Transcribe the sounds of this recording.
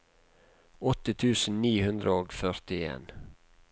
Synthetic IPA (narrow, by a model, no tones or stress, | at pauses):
ɔt̪ət̪ʰʉːsn̩niːhʉnd̪ɾəoːɡfœɾt̪ɪḛːn